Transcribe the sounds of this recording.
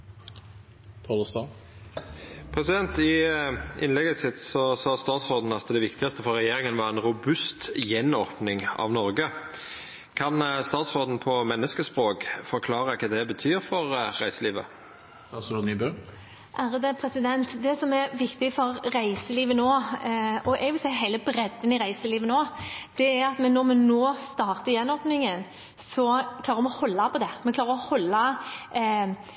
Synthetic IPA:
p̪ʰɔd̪ɔst̪ɑ | pʰʁɛsɪd̪ɛnt̪ɪ | ɪ̰nlɛɡəsɪt̪sɔsɑːst̪ɑːt̪sʁoːd̪n̩ɑt̪d̪ɛʋɪkt̪ɪɡɑst̪əfɔʁːɛjeːɾɪŋənʋɑʁɛnɾʊbʉst̪jɛnɔʁpnɪŋɑ̰ʋnɔɾɡə | kʰɑnst̪ɑːt̪sʁoːd̪n̩pʰɔmɛnːəskəspʁoːkfɔʁkʰlɑːʁəkʰɑːd̪ɛbət̪ʰyːɾfɔʁʁæɪsəliːʋə̰ | ɑsd̪nyːbø | ʔæːɾəd̪ɛpʰɾɛsɪd̪ɛnt̪d̪ɛsɔmɛʋɪkt̪ɪfɔɾːæɪsəliːʋənoː | ɔʔɛɡʋɪlsæɪɦæɪləbɾɛd̪ːənɪɾæɪsəliːʋənoːd̪̥ɛæɾɑt̪mɛnɔɾmɛnoːst̪ɑːʁt̪əjɛnɔːpnɪŋən | sɔkʰlɑːɾəɾmɛhɔlːɑpʰɔd̪ɛmɛklɑːʁəɾɔhɔlːɑ

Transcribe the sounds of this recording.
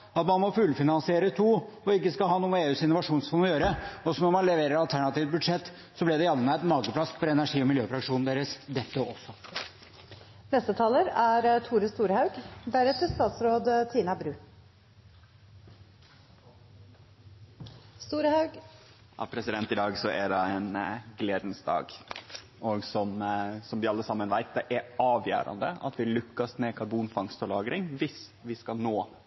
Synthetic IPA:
ɑt̪mɑnmɔfʉlfɪnɑnsɪeːɾət̪ʰuːɔɪkːəskɑlhɑːnuːəeːʉːsɪnʊʋɑʂuːnsfɔnɔjøːɾəɔsɔmnɔmɑnlɛʋeːɾəɾɑlt̪ʰæɳɑt̪iːʋ̪̚bʉd̪ʂɛt̪ː | sɔblɪd̪ɛjɑlənəæt̪nmɑːɡəplɑsfɔɾɛnæʂiːɔmɪljøːfɾɑkʂuːnn̩d̪eːɾəsd̪ɛt̪ːəɔsːɔ | nɛst̪ət̪ʰɑːləɾæɾt̪ʰuːɾəst̪uːɾhɑʉɡd̪æɾɛt̪əst̪ɑːt̪sɾoːd̪t̪ʰiːnɑbɾʉː | st̪uːɾhɑʉɡ | ɑ̰ʋpʰɾɛsɪd̪ɛnt̪ɪd̪ɑːɡsɔʔæɖɑɛːnɡleːd̪nsd̪ɑ̰ːɡ | ɔɡsɔmsɔmʋɪɑlːəsɑmːənʋæɪt̪̚d̪ɛʔæɑːʋjæ̰ːɾɑ̰nd̪əɑ̰t̪ʋɪlʉkːəsmɛkʰɑɾbuːnfɑŋst̪ɔlɑːɡɾɪŋʋɪs | ʋɪskɑnoː

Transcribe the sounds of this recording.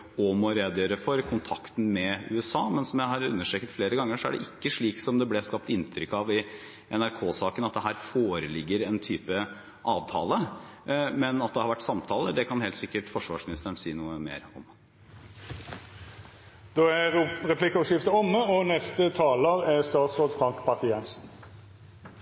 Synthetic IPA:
ɔmɔɾeːd̪jøːɾəfɔɾkʰʊnt̪ʰɑkt̪n̩mɛʉ̰ːɛsɑːmɛnsɔmjæɪɦɑɾʉ̰nːəʂɛːkət̪fleːɾəɡɑŋːəʂɔæ̰ɖɛ̰ʔɪkːəʂɭiːksɔmd̪ɛblɛskɑp̚t̪ɪnːt̪ʰɾʏkːɑʋɪ | ʔɛnæɾkʰoːsɑːkənɑt̪̚d̪ɛɦæːɾfoːɾəlɪɡːəɾɛnt̪ʰyːpə | ʔɑːʋt̪ʰɑ̰ːlə | mɛnɑt̪̚d̪ɛhɑɾʋæʈːsɑmt̪ʰɑːləɖ̪ɛkʰɑnheːlt̪sɪkːəʈfɔʂʋɑːʂmɪnɪst̪əəɳsiːnuːəmḛːɾɔ̰m | d̪̥oːæʁɛpʰlɪkəɔʂɪft̪əɔmːəɔnɛst̪ət̪ʰɑːləɾæst̪ɑːt̪sʁoːd̪fɾɑŋkpɑk̪ɪjɛnsn

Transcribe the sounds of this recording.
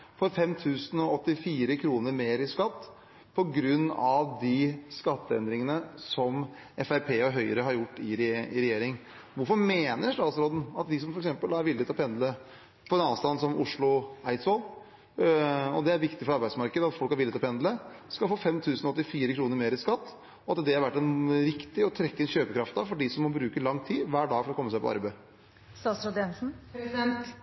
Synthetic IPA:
fɔɾfɛmːt̪ʰʉːsən̩ɔɔt̪ːɪfiːɾəkʰɾuːnəɾmeːɾɪskɑt̪ː | pʰɔɡɾʉnːɑʋd̪ɪskɑt̪ːəɛ̰nd̪ɾɪŋənəsɔm | ʔɛfæɾpʰeːɔɦœʏəɾəɦɑɾjʊʈːɪɾɪɾɛjeːɾɪŋ | ʋʊɾfɔɾmeːnəʂʈ̪ɑːt̪sɾɔːd̪n̩ɑt̪d̪ɪs̬ɔmfɔɾɛksɛmpəlæɾʋɪlːɪt̪ʰlɔpɛnd̪lə | fɔɾɛnɑːʋst̪ɑnsɔmʊʂɭʊæɪt̪sɔl | ɔd̪ɛæɾʋɪkt̪ɪfɔɾɑɾbæɪsmɑɾkəd̪əɑt̪fɔlkɑɾʋɪlːɪt̪ʰlɔpʰɛnd̪ləskɑlfoːfɛmt̪ʰʉːsən̩ɔɔt̪ːɪfiːɾəkʰɾuːnəɾmeːɾɪskɑt̪ː | ɔɑt̪d̪ɛhɑɾʋæʈːɛnɾɪkt̪ɪɔt̪ʰɾɛkːəɛnɕøːpəkʰɾɑft̪ɑʋfɔɖɪsɔmːɔbɾʉːkəlɑŋːt̪ʰiːʋæːɖɑːɡfɔɾɔkʰɔmːəsæɪpʰɔ̰ɑ̰ɾbæ | st̪ɑːt̪sɾod̪ɛnsn̩pɾɛsd̪ɛnt̪

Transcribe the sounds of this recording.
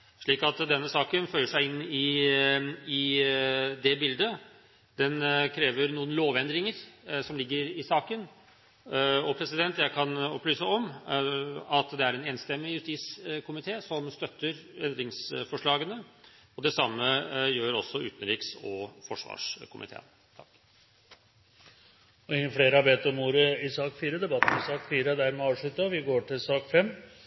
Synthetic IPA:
ʂɭiːkɑt̪d̪ɛnːəsɑːkənfœʏəʂæɪɪnːɪ | ɪ | d̪ɛbɪld̪ə | d̪ɛnkʰɾeːʋəɾnuːənloːʋɛnd̪ɾɪŋəɾsɔmlɪɡːəɾɪsɑːkən | ɔpʰɾɛsɪd̪ɛnt̪jæɪkʰɑnɔplyːsəɔm | ɑt̪d̪ɛæɾɛːneːnst̪ɛmːɪjʉst̪iːt̪skʰʊmɪt̪ʰeːsɔmst̪œt̪ːəɾɛnd̪ɾɪŋsfɔʂɭɑːɡənə | ɔd̪ɛsɑmːəjøːɾɔsːɔʉ̰ːt̪ən̩ɾiːksɔfɔʂʋɑ̰ːʂkʰʊmʔɪ̰t̪ʰḛːn | t̪ʰɑk | ɔɪŋːəfɽeːɾəhɑɾbeːt̪ɔmuːɾəɪsɑːkfiːɾəd̪ɛbɑt̪ːn̩ɪsɑːkfiːɾəd̪æɾmɛɑːʋʂɭʉt̪əʋɪɡoːʈʰɪlsɑːkfɛmː

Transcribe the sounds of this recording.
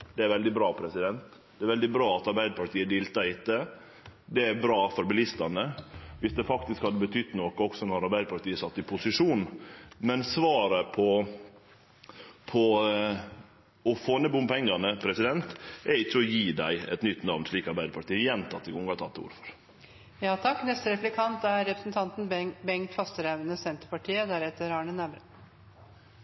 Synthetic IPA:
d̪̥ɛæɾʋɛld̪ɪbɾɑːpʰɾɛsɪd̪ɛnt̪d̪ɛæɾʋɛld̪ɪbɾɑːɑt̪ɑɾbæɪd̪əpʰɑɾʈ̪iːəd̪iːlt̪ɑɾɪt̪ːə | d̪ɛæɾbɾɑːfɔɾbɪlɪst̪ɑnəʋɪsd̪ɛfɑkt̪ɪskhɑd̪ːəbət̪ʰʏd̪nɔkəɔksɔnɔɾɑɾbæɪd̪əpɑʈt̪iːəsɑt̪ːɪpʰʊsɪʂuːnmɛnsʋɑːɾəpʰɔ | pʰɔ | ɔfoːnɛbʊmpʰɛŋːɑnəpʰɾɛsɪd̪ɛnt̪ɛɾɪt͡ʃːəɔjiːd̪æ̰ɪɛ̰t̪nʏt̪nɑʋnsʂɭiːkɑɾbæɪd̪əpʰɑʈ̪iːəjɛnt̪ʰɑt̪ːɪɡʊŋɡɑt̪ʰɑ̰t̪ːṵːɾfɔ̥ɾ | jɑːt̪ʰɑkːnɛst̪əɾɛplɪkʰɑnt̪æɾːɛpɾə̥snt̪ʰɑnt̪n̩bɛŋt̪fɑst̪əɾæʋənəsɛnt̪ə̥pɑʈʰiːəd̪æɾɛt̪ːəɾɑːɳənæbɾə

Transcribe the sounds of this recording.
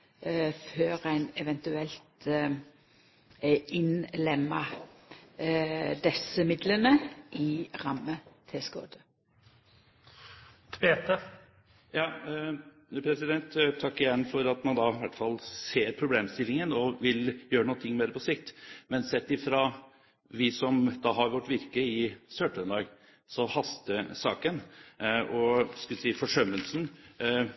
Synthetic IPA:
føːɾæɪnɛʋɛnt̪ʉɛlt̪ | ɪnlɛmːɑ | d̪ɛsəmɪd̪lənəʔɪʁɑmːət̪ʰɛsko̰ːd̪ə | t̪ʰbeːt̪ə | jɑː | pʰɾɛsɪd̪ɛnt̪t̪ʰːɑkːɪjɛnːfɔɾɑt̪mɑnd̪ɑʋæʈːfɑlseːɾpʰɾʊbleːmst̪ɪlːɪŋənɔʋɪljøːɾənuːnt̪ʰɪŋːmeːd̪ɾəpʰɔsɪkt̪mɛnsɛt̪ːɪfɾɑ | ʋɪsɔmd̪ɑɦɑɾʋɔʈːʋɪɾkəɪsøːʈənd̪ɑːɡ | sɔhɑst̪əsɑ̰ːkənʔɔsklsiːfɔʂœmːəlsn̩

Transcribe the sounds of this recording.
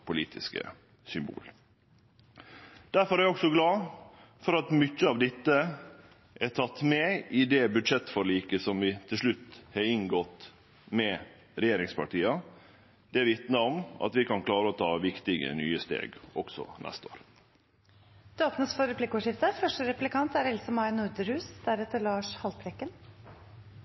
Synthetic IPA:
pʰʊlḭːt̪ʰɪ̰skə̰ | sʏmbṵːl | d̪̥æɾfɔɾæɾɔksɔɡlɑː | fɔɾɑt̪mʏt͡ʃːəɑʋd̪ɪt̪ːə | ʔɛʈʰɑt̪ːmɛɪd̪ɛbʉd̪ʂɛt̪ːfɔɾɭiːkəsɔmʋɪt̪ʰɪlʂɭʉt̪ːhɑɾɪŋɡɔt̪ | mɛ | ɾɛjeːɾɪŋspʰɑ̰ʈiːɑ | d̪̥ɛæɾʋɪt̪nəɔmɑ̰t̪ʋɪkɑnkʰlɑːɾəɔt̪ʰɑːʋɪkt̪ɪɡə̰nyːəst̪ḛːɡɔɡ̥sɔ̰nʔɛ̰st̪əo̰ːɾ | d̪̥ʉoːpnəsfɔɾɛpʰlɪkɔːʂɪft̪əfœʂʈəɾɛplɪkʰɑnt̪æɾɛlsəmɑɪnʊɾd̪əɾhʉːsd̪æɾɛt̪ːəɭɑːʂhɑlt̪ɾɛkːən

